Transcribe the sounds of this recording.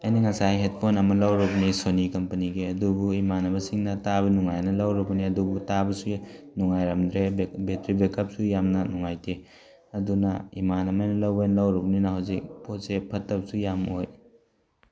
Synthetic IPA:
ɐjniŋɐsajɦet̚pʰonɐmɐlɐwɾɐbɐnisonikɐmpɐniɡiɐdubuimanɐbɐsiŋnɐtaβɐnuŋajnɐlɐwɾɐbɐniɐdubutabɐsunuŋajɾɐmd̪ɾebetɾibekɐp̚sujamnɐnuŋajtʰe | ɐdunɐimanɐmajnɐlɐwbejnɐlɐwɾɐbɐninɐhɐwzik̚potsepʰɐtːɐp̚sujamoj

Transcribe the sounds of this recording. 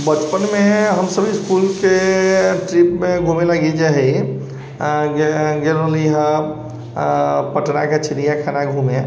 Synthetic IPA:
bət͡ʃpənmẽɦəmsəbʱiskuːlkeʈɾipmẽɡʱũmẽlaɡid͡ʒaɦɛ | ɡeɾoliɦə | pəʈnaket͡ʃʰɪnijakʰanaɡʱũmẽ

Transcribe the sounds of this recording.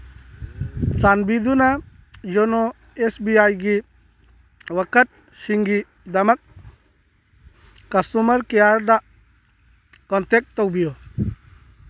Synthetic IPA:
sanbid̪una | d͡ʒono | esbiajɡi | wɐkət̪̚ | ʃiŋɡi | d̪ɐmɐk̚ | ɐsumɐɾkejaɾd̪aʔ | kɔnt̪ek̚t̪ːɔwbijo

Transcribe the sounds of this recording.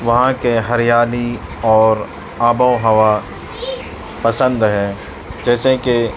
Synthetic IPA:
ʋɐɦãkeɦɐɾɪjaːli | ɔːɾ | aːbəoɦɐʋa | pɐsə̃nd̪ɦɛ̃ː | d͡ʒɛːseke

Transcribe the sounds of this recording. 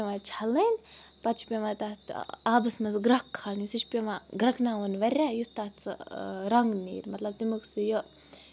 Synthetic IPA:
eʋat͡ʃʰaliːnʲ | pɐt͡ʃʰpʲeʋat̪at̪aːbɐsmɐt͡sɡɾɐkːʰalnisit͡ʃʰpʲimaɡɾɐknaːunʲʋɐɾʲaːjut̪aːt͡sɨ̰ɾɐŋɡnḭːɾʲmɐt̪lɐbt̪imuksɨjə

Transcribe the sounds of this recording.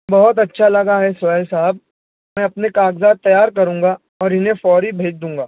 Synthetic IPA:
bɐɦʊt̪ɐtːʃʰalɐɡaɦɛsːlsaɦb̚ | mɛ̃ːɐpnekaːɡzaːd̪̚t̪ɐjaːɾkɐɾũːŋɡa | ɔːɾɪnẽfɔːɾibʱeːd͡ʒd̪ũːŋɡaː

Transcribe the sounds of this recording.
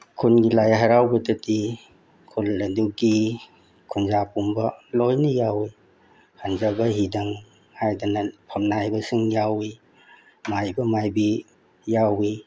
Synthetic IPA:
kʰunɡilajaɦaɾawbɐtɐti | kʰulːɐduɡi | kʰunzapumbɐlojnijawi | hanzabɐɦidaŋ | hajdanɐpʰɐmnajbɐsɯŋjawi | majbɐmajbi | jawi

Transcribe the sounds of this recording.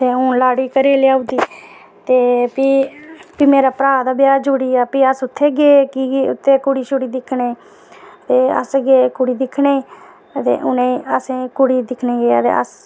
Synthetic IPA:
t̪eːʊ̃laːɽiːkəɾeːljaːʊ̃d̪iː | t̪eːpipiːmeːɾaːpɾaːd̪aːbɪjaːd͡ʒoːɽiːaːpiːəsʊt̪ʰːeːɡeːkiʊ̰t̪ʰːeːkʊɽiːt͡ʃʊɽiːd̪ɪkʰneː | t̪eːə̰sɡeːkʊɽiːd̪ɪkʰneː | t̪ḛːʔʊnẽəsẽːkʊɽiːd̪ɪkʰneːɡeːt̪ḛːə̰s

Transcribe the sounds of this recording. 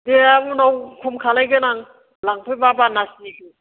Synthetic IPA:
deamunawkʰɔmkʰalajɡɯnaŋ | laŋpʰɯjbabanasiɡɯ

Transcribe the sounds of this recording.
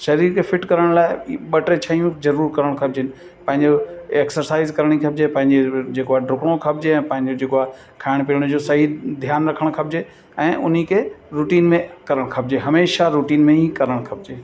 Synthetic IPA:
ʃɐɾiːɾkʰefɪʈkɐɾəɽ̃laːɪɓɐʈet͡ɕʰɐijũzɐɾuːɾkɐɾəɽ̃kʰɐb̚d͡ʑɪnɪ̆ | pɐ̃ɦɪ̃ɲd͡ʑoeksəɾsaːɪzkɐɾɽ̃ikʰɐb̚d͡ʑepɐ̃ɦɪ̃ɲd͡ʑed͡ʑeːkoaɖʱʊkɽ̃okʰɐbd͡ʑeɛ̃ːpɐ̃ɦɪ̃ɲd͡ʑod͡ʑeːkoaːɦ | kʰaːɪɽ̃piəɽ̃ʊd͡ʑosɐɦid̪ʱjaːnɾɐkʰəɽ̃kʰɐb̚d͡ʑe | ɛ̃ːʔʊn̤ikʰeɾuːʈiːnmẽkɐɾəɽ̃kʰɐb̚d͡ʑeɦɐmeːʃaɾuːʈiːnmẽikɐɾəɽ̃kʰɐb̚d͡ʑeː

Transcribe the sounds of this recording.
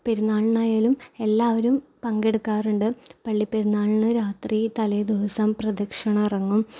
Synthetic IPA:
peɾunːaːɭnaːjaːlume̞lːaːʋɐɾumpɐŋɡe̞ɽukːaːruɳɖɨpɐɭːipːeɾunːaːɭnɨɾaːt̪rit̪ɐlɐjd̪uɦɐsɐmprɐd̪ɐkʂɐɳɐirɐŋːum

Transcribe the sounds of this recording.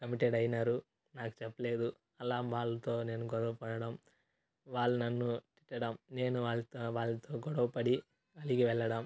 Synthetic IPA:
kɐmiʈeɖɐjɐnaːɾu | naːku̥t͡ʃɛpːɐle̞ːd̪u | ɐlaːʋaːɭːɐt̪o̞ːne̞ːnuɡɔɽɐwupɐɽɐɽɐm | ʋaːɭːunɐnːut̪i̥ʈːɐɽɐmne̞ːnuʋaːɭːɐt̪oʋaːɭːɐt̪o̞ːɡɔɽɐwupɐɽi | ɐliɡiʋɛɭːɐɽɐm

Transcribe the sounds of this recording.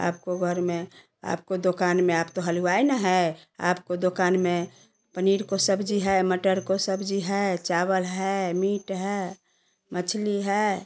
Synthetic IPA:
a̰ːpkoɡʱəɾme | a̰ːpkod̪okanmẽaːpt̪oɦəluainəɦɛa̰pkod̪okanmẽ | pəniɾkosəbd͡ʒiɦɛməʈəɾkosəbd͡ʒiɦɛt͡ʃaβəlɦɛmiʈɦɛ | mət͡ʃʰliɦɛ

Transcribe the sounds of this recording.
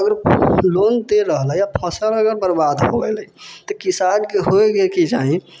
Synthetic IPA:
əɡəɾlond̪eɾəɦləjapʰəsəɾəɡəɾbəɾbad̪ɦobɛləjt̪ɔkisankeɦoeɡekid͡ʒaɦĩ

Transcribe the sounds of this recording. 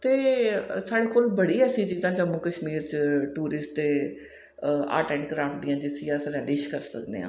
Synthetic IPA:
t̪eːsaːɽeːkoːlbəɽiːɛːsiːt͡ʃiːzãːt͡ʃəmũːkəʃmiːɾt͡ʃʈuːɾɪsʈ̚t̪eː | a̰ːʈɛ̃ːɳɖkəɾãːɳʈ̚d̪ɪjãːd͡ʒɪsijãːsɾɛːlɪːʃkəɾsə̰kd̪ḛːã̰ː

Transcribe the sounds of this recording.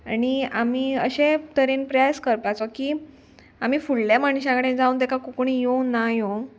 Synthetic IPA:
añiamiːəɕẽt̪əɾiːnpɾəjaskəɾpat͡sɔkiː | am̤iːfuɭlaməɳɕãŋɡɽẽd͡zaũːnt̪ekakukuɳijonajo

